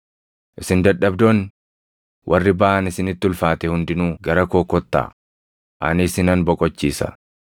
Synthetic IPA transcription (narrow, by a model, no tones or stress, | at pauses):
ʔɪsɪnd̪ɐᶑɐbd̪oːn | wʔɐrːɪbɐʔɐnɪsɪnɪt̪ːʊlfaːt̪ɛhʊnd̪ɪnuːɡɐɾɐkoːkːɔt̪ːa̰ː | ʔɐ̰nɪsɪnɐnbɔkʼɔt͡ʃːiːsɐ̰